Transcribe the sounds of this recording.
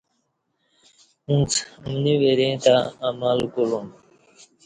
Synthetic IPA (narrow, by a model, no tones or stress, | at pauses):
ũt͡smniweɾẽt̪aːmalkulum